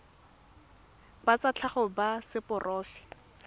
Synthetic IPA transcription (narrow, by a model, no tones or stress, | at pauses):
bat͡sat͡ɬʰaχʊbasɪpʊrʔɔːfɪ̥